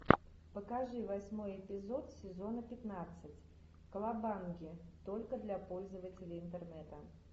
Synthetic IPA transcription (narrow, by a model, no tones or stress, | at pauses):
pəkaʐɨvɐsʲmo̞jɪpʲɪzo̞t̪sʲɪzo̞nəpʲɪt̪nat̪sɨtʲ | kəlˠabanɡʲɪt̪olʲkəd̪lʲapo̞lʲzəvətʲɪlʲɪɪnt̪ərnɛt̪ə